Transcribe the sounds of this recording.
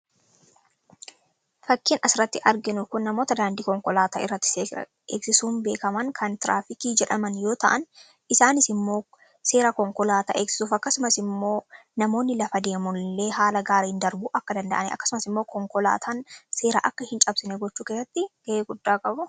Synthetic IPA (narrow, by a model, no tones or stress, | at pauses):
fɐkːiːnʔɐsɪɾɐt̪ːɪʔɐɾɡɪnʊkʊnːɐmo̞ːt̪ɐd̪aːnd̪iːkɔŋkɔlaːt̪aːʔɪ̰rːɐt̪ːɪ̥eɐ̰ | eːksɪsuːmbe̞ːkɐmɐŋkʰɐnt̪ɪɾʔaːfɪkiːd͡ʒɛᶑɐmɐnjo̞ːt̪ɐ̰ʔɐn | ɪsaːnɪsɪmːo̞ː | se̞ːɾɐkɔŋkɔlaːt̪a̰ʔeːksɪ̥suːfɐkːɐsʊmɐsɪmːo̞ː | nɐmo̞ːnːɪlɐfɐd̪e̞ːmʊnle̞ːɦaːlɐɡaːɾɐhɪnd̪ɐɾbuːʔɐkːɐd̪ɐnd̪ɐ̰ʔɐnɪ̰ʔɐ̰kːɐ̥sʊmɐsɪmːo̞ːkɔŋkɔla̰ːt̪ʰanse̞ːɾa̰ːʔɐkːɐhɪnt͡ʃʼɐbsɪneːɡɔt͡ʃːuːkesːɐt̪ːɪɡ̥ɐʔeːɡʊd̪ːaːkʼɐbʊ